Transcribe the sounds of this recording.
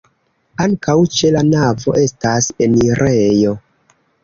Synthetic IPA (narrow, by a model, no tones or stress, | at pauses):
aŋkawt͡ʃe̞lanavo̞̰ʔe̞stase̞niɾʔejo̞